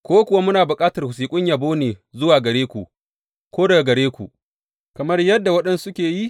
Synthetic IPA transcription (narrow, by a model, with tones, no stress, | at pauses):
kʷoː˦kʷʊ˨wa˦mʊ˦naː˨bʊ˨kʼaː˦tɐ˨rhʊ˨s̬iː˨kʷʼʊ˦ɲjaː˨boː˦neː˨zʊ˦waː˨ɡɐ˨ɽeː˦kʷu˨ʔ | kʷoː˦dɐ˨ɡa˨ɡɐ˨ɾeː˦kʷṵ˨ʔ | kɐ˨mɐ˦rjɐ˦dːa˨wɐ˦ɗɛ˦nsʊ˦kʲeː˨ji˦